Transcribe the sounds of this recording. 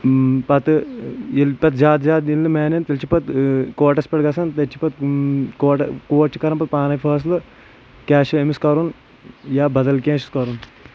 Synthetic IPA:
pɐt̪ɨilpɐt̪d͡ʒaːt̪zaːd̪ilːɨmeːnent̪ɐlʲt͡ʃʰipɐt̪koːʈɐspeʈɡɐsɐnt̪ɐt͡ʃʰi̥pɐt̪̚koːʈɐkoːʈt͡ʃikɐɾɐmpɐt̪̚paːnɐjpʰɐːs̬lɨ | kaːʃemiskɐɾun | jaːbɐd̪ɐlkẽːʃi̥skɐɾun

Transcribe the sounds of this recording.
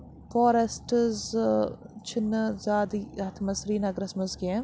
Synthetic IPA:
foːɾesʈz | t͡ʃʰɪnːzaːd̪iɐt̪ʰmɐsɾiːnɐɡɾɐsmɐzɡiẽ

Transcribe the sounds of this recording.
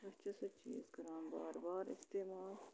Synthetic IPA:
bɐt͡ʃɐsɐt͡ʃḭsɡɐɾaːnba̰ːɾbaːɾɪ̰st̪eːmaːl

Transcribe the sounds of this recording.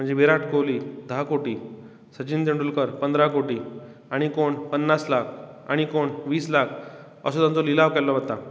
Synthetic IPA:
m̤əɳd͡zeʋeɾaʈʰkoʋliːd̪ʱəɦakoʈiː | sət͡ɕind̪eɳɖulkəɾpənd̪ɾakoʈiː | aɽ̃ikoɳpənːaslakʰa̰ɽ̃ikoɳʋiːslakʰ | ə̰sod̪ãnt͡sɔlilaʋkɛlːɔʋət̪a

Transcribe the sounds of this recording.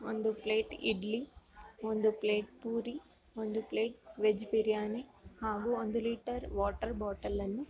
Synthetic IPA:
o̰nd̪upleːʈiɖliond̪upleːʈ̚puːɾi | ond̪upleːʈ̚ʋed͡ʒpiɾijaːnehaːɡuond̪uliːʈɐɾʋaːʈɐɾbaːʈɐlːɐnːu

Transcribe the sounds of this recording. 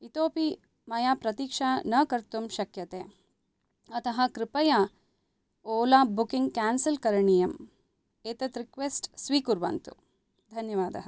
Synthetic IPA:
it̪oːpi | mɐjaːpɾɐt̪iːkʂaːnɐkɐɾt̪umʃɐkjɐt̪eː | ɐt̪ɐɦɐ̆kɾɪpɐjaː | oːlaːbukiŋɡ̚kaːnsɐlkɐɾɐɳijɐm | eːt̪ɐt̪ɾikʋeːsʈsʋiːkuɾʋɐ̰nt̪ṵ | d̪ʱɐnjɐʋaːd̪ɐɦɐ

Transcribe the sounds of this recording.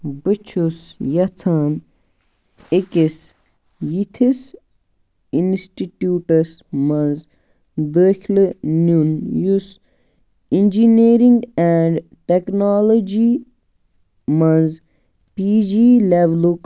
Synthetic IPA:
bɨt͡ʃʰusjɐt͡sʰaːn | ekis | jit̪ʰis | insʈiʈjuːʈɐs | mɐnz | d̪əkʰlnunjus | ind͡ʒiniːɾĩŋɡɛːɳɖ | ʈeknaːlod͡ʒi | mɐnz | piːd͡ʒileʋluk

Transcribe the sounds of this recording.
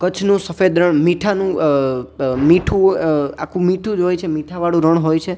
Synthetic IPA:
kət͡ʃʰnũsəfed̪ɾəɳmiʈʰanũ | miʈʰũakʰũmiʈʰũd͡ʒɦojt͡ʃʰemiʈʰaʋaɽũɾəɳ̃ɦojt͡ʃʰe

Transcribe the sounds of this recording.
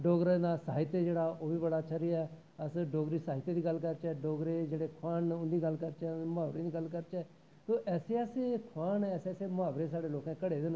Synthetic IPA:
ɖoːɡɾenaːsa̰ːɦɪt̪eːd͡ʒeːɽaːoːbiːbəɽaːt͡ʃʰəɾijaɛ | əsɖoːɡɾiːsaːɦɪt̪eːd̪iːɡəlkəɾt͡ʃɛːɖoːɡɾeːd͡ʒeːɽeːkʰʊaːnʊnd̪iːɡəlkəɾt͡ʃɛːmʊaːʋɾẽːd̪iːɡəlkəɾt͡ʃɛː | t̪oːʔɛːseːəseːkʰaːnɛːseːaːseːmʊaːʋɾeːsaːɽeːloːkɛ̃ːkəɽeːd̪ɪn

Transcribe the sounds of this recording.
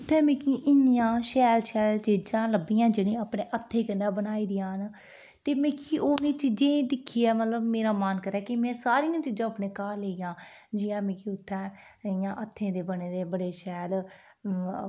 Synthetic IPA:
ʊt̪ʰːɛːmẽːkiʔɪnjãːʃɛːlʃɛːlt͡ʃiːd͡ʒãːləbijãːd͡ʒeːɽẽːaːpɽeːʔət̪ʰːẽːkənːaːbənaːiːd̪ɪjãːn | t̪eːmẽːkiːʔoːnẽːt͡ʃid͡ʒẽːd̪ɪkʰːiːɛːmət̪ləbmeːɾaːmaːnkəɾɛːkimɛ̃ːsaːɾijãːt͡ʃiːd͡ʒãːpnẽːkaːleːijãːd͡ʒijãːmẽːkiːʊt̪ʰːɛː | ɪjãːʔət̪ʰːẽːd̪eːbəneːd̪eːbəɽeːʃɛːl

